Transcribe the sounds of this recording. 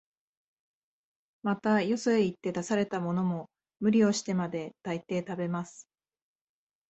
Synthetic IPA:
mat̪ajo̞soeit̪ːe̞d̪asaɾe̞t̪amo̞no̞mo̞ | mɯ̟ɾʲio̞ɕi̥t̪e̞mad̪e̞t̪ait̪e̞ːt̪abe̞masɨ̥

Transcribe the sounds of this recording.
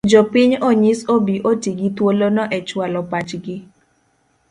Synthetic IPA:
d͡ʒɔpɪɲɔɲisobiʔotiɡitwolonɔʔɛt͡ʃwalɔpat͡ʃɡɪ

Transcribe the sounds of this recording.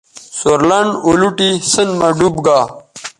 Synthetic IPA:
soɾlɐɳoluʈisənmɐɖubɡaː

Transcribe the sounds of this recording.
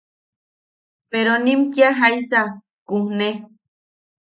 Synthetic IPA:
peɾonĩmkiaɦajsa | kuhne

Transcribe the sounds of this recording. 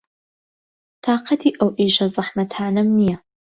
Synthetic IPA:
t̪ʰɑːqɑt̪ʰiːʔɐwʔiːʃɐzˤɨħmɐtʰaːnɐmnijɐ

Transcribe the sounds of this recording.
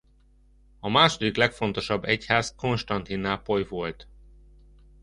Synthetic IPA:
ɒmaːʃo̞d̪iklɛkfo̞nt̪o̞ʃɒbːɛchaːzko̞nʃt̪ɒnt̪inːaːpo̞jvo̞lt̪

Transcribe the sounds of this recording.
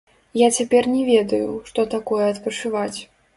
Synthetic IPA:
jat͡sʲapʲɛrnʲɛvʲɛd̪ɐjuʂt̪ɔt̪akɔjɛɐt̪pɐt͡ʂɨvat͡sʲ

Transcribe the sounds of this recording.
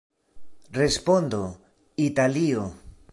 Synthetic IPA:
respond̪o | it̪alio

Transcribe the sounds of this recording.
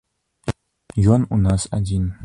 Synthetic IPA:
jɔnunasa̰d̪ʲin

